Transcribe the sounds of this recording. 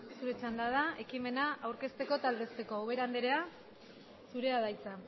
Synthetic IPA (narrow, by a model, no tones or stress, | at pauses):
suɾe̞t͡ʃand̪að̞ae̞kime̞naʔawɾke̞st̪e̞ko̞t̪ald̪e̞st̪e̞ko̞oβe̞ɾand̪eɾe̞a | suɾe̞aðajt͡sa